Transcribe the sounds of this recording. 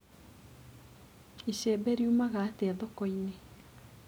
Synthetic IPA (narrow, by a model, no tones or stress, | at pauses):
iʃebeɾiumaɣateɛðɔkoine